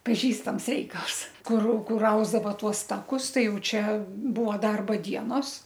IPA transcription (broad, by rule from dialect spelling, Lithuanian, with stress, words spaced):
pɐˈʒʲiːstɐms ˈrʲɛɪkɐlˠs ˈkʊr ˈkʊr ˈɐʊzdɐʋɐ ˈtuɔs ˈtɑːkʊs ˈtɐɪ ˈjɛʊ ˈt͡ʃʲɛ ˈbʊɐ ˈdɐrbɐ ˈdʲiɛnoːs